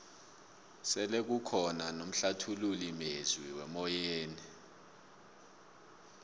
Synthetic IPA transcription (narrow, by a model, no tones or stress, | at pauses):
sɛlek̬ukʰɔnanom̩ɬatʰululimezwiwɛmɔjeːni